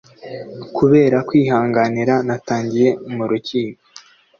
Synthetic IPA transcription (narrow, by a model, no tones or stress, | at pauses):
kuβe̞ːɾakwiːɦaːŋɡaniɾanataːɲɟije̞muɾuciːko